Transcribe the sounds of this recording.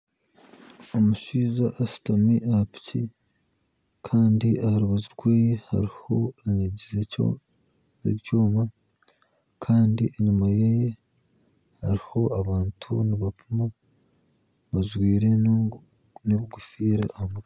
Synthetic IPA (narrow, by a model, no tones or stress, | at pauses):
omuʃiːzaʔasi̥tamiʔahapi̥ci | kʰaːndiʔahaɾuβaziɾɡweːjeha̰ɾiho̞eɲiɟizeo̰ | ḛcoːma | kʰaːndiʔeɲimajaje | haɾiho̞aβaːntʰṵniβafuma | βazwiːɾe̞n | neβiɡufiːɾa̰ːhamuɡ